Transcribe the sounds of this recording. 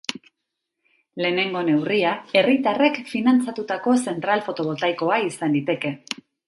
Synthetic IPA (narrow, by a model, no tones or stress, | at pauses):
le̞ːne̞ŋɡo̞ne̞wriae̞rit̪are̞kfinant͡sat̪ut̪ako̞se̞nt̪ɾalfo̞t̪o̞β̞o̞lt̪ajko̞aisand̪it̪e̞ke̞